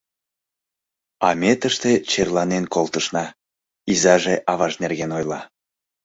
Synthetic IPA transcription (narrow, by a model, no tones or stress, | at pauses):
ɑmʲet̪əʃt̪et͡ɕerlˠɑnenkolˠt̪əʃnɑ | izɑʒeʔɑβɑʒnerɣenojlˠɑ